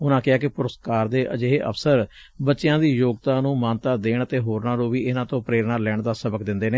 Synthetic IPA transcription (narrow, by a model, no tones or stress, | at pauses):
ʊnãːkɪaːkɪpʊɾəskaːɾd̪eːʔə̰d͡ʒeɦeːʔə̰fsəɾ | bətːʃɪjãːd̪iːjoːɡt̪ãːnũːmaːnt̪aːd̪eːɳət̪eːɦoːɾnaːɾõːʋiːɪnãːt̪õːpɾeːɾnaːlɛːɳd̪aːsəbəkd̪ɪnd̪eːneː